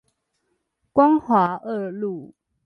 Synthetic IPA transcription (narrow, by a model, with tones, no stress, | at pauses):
kwa˥˦ŋxwa˨˦ə˥˧lu˥˨